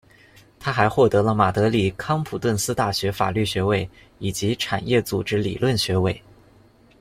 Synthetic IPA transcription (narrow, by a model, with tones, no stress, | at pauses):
t̪ʰa˥xa˧˥ɪxwɔ˥˩t̪ɤ˧˥lə˧ma˨˩t̪ɤ˧˥li˨˩kʰɑ˥ŋpʰu˨˩t̪wə˥˩nsɹ̩˥t̪a˥˩ɕɥɛ˧˥fa̰˨˩ly˥˩ɕɥɛ˧˥we˥˩ɪ | i˨˩t͡ɕi˧˥ʈ͡ʂʰa̰˨˩njɛ˥˩t͡su˨˩ʈ͡ʂɻ̩˥lḭ˨˩lwə˥˩nɕɥɛ˧˥we˥˩ɪ